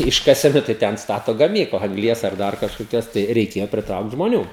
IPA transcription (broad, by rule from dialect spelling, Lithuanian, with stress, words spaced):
ˈɪʃkɐsʲɛnʊ tɐɪ ˈtʲɛn ˈstɑːtoː ɡɐˈmʲiːklˠɐ ɐŋɡˈlʲiɛs ɐr ˈdɐr kɐʃkoːˈkʲoːs tɐɪ rʲɛɪˈkʲeːjoː pʲrʲɪˈtrɐʊkt ʒmoːˈnʲuː